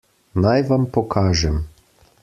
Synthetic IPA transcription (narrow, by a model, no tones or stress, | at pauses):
najʋampɔkʰaːʒɛm